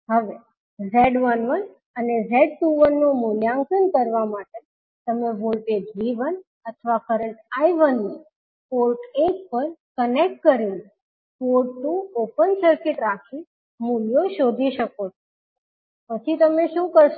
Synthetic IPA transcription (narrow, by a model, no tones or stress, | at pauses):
ɦəʋe | zeɖʋənʋən | ənezeɖ̚ʈuʋənːomuljãŋkənkəɾʋamaʈe | t̪əmeʋolʈed͡ʒʋiʋən | ət̪ʰʋakəɾəɳʈaiʋənːi | polʈek̚pəɾkənek̚ʈ̚kəɾine | poɾʈːuopənsəɾkɪʈɾakʰi | muljoʃod̪ʱiʃəkot͡ʃʰo | pət͡ʃʰit̪əmeʃũkəɾʃ